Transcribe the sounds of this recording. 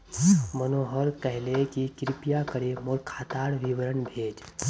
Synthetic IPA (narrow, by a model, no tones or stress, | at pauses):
mənoɦəɾkəɦlekikɾipijakəɾemoɾkʰaːt̪aɽʋiʋɾəɳbʱed͡ʒ